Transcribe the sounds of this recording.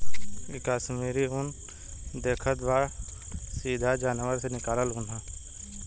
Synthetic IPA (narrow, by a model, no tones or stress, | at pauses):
ɪkaːʃmiːɾiʊn | d̪eːkʰət̪baːɾ | siːd̪ʱad͡ʒaːnwəɾsenɪkaːləlɦʊ̃nd̪ʱaː